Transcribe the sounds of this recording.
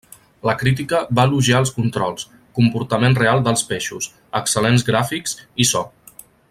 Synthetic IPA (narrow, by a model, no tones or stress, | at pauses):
ləkɾit̪̬ikəβaluʒaəlˠskunt̪ɾɔlˠs | kumpuɾt̪əmenrealˠd̪əlˠspeʃus | əksəlenzɣɾafiksisɔ